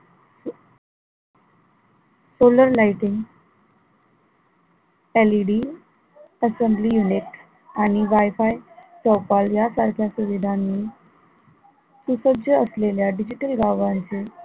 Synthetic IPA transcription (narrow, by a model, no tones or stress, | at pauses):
soləɾlaiʈiŋɡ | eliɖi | əsembliːjuniʈ | aɽ̃iʋajfajsəwpaljasaɾkʰjasuʋid̪ʱanːiː | susəɡd͡ʑjəəsleljaɖid͡ʑiʈəlɡaʋãɲt͡se